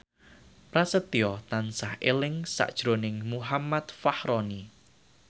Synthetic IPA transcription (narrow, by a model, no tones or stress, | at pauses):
pɾasət̪iɔt̪ansahʔelɪŋsa̰ʔd̥ʒ̥ɾonɪŋmuɦamat̪fahɾɔni